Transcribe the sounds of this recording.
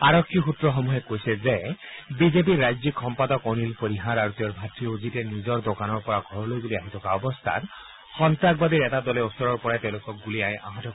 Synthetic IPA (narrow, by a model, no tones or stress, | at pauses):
aɹɔkʰːixutɹɔxɔmuɦekojsezebizep̬iɾːajd͡zikʰɔmpad̪ɔkonilpoɾiɦaɾaɹut̪iɔɹbʱatɹiozitenizɔɹd̪okanɔɹpɔɹaɡʱɔɹlojbuliaɦit̪ʰɔkaɔbɔst̪ʰa̰t | xɔnt̪ak̚bad̪iɾɛtad̪ɔleɔsɔɹɔɹpɔɹaet̪eʊ̃lokɔk̚ɡuliaj̃ʔa̰ɦãt̪ʰɔ